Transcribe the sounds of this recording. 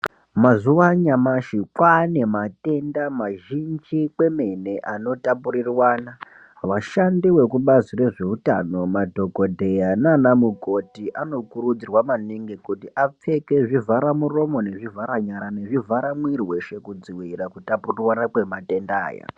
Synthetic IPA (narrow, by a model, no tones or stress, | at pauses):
mazuwaɲamaʃikwane̞mate̞ndamaʒind͡ʒikwe̞me̞ne̞ʔano̞tapuɾirwaːna | ʋaʃandiwe̞kuɓazire̞ʐe̞utano̞madʱo̞ɡo̞dʱe̞jananamuko̞tiʔano̞kuɾud͡zirwamaniŋɡikutiʔap͡fe̞ke̞ʐivaɾamuro̞mo̞ne̞ʐivaɾaɲaɾane̞ʐivʱaɾamwirwe̞ʃe̞kud͡ziwiɾakutapurirwanakwe̞mate̞nda̰ːja̰